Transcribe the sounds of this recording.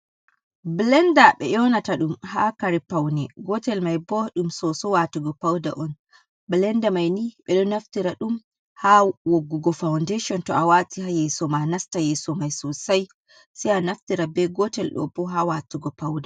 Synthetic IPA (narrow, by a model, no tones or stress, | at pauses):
blɛndaɓɛ̰jɔnataɗumhakaɾipawnɛɡɔtɛlmajbɔɗumsɔsɔwatuɡɔpawda̰ʔɔn | blɛndamajniɓɛɗɔnaftiɾaɗum | hawɔɡːɔɡɔfawndeʃɔntɔawatihajɛsɔmanastajɛsɔmajsɔsaj | sianaftiɾabɛɡɔtɛlɗɔ̰b̥ɔɦawatuɡɔpawda